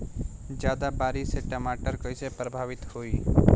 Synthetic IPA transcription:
d͡ʒjaːd̪abaːɾiseʈəmaːʈəɾkəisepɾəbʱaːʋɪt̪hoːiː

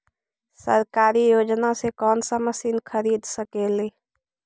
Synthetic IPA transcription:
sə̰ɾkaːɾijoːd͡ʒnasekɔːnsəməsinkʰəɾiːd̪səkeːleː

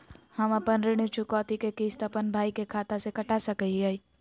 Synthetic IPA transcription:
həmɐpənɾeɽ̃ut͡ʃʰukɔːt̪ikekiːsʈ̪əpənbʱaːikekʰaːt̪asekɐʈasəkəiai

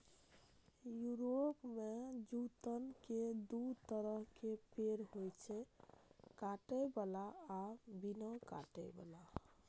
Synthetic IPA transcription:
juɾopmed͡ʒut̪ənked̪ut̪əɾəɦkepeɾɦojt͡ʃʰɛ | kaʈɛbalaː | binɔka̰ʈɛba̰la

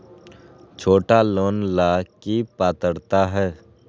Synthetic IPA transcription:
t͡ʃʰoːʈaloːnlaːkipaːt̪əɽt̪aɦɛː

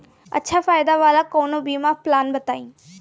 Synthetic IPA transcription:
ə̰tːʃʰaːfaːɪd̪aːʋaːlakoːnobiːmãplaːnbət̪aːĩː

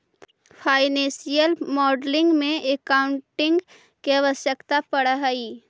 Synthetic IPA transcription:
pʰaːɪnẽːsijəlmɔːɖlɪ̃ŋɡmẽekaʊ̃ɳʈɪ̃ŋɡ | keaʋəʃjəkt̪apəɽəɦəiː

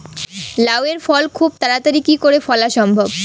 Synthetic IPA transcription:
laweɾfɔlkʰub̚t̪aɾat̪aɾikikoɾefɔlaʃɔmbʱob

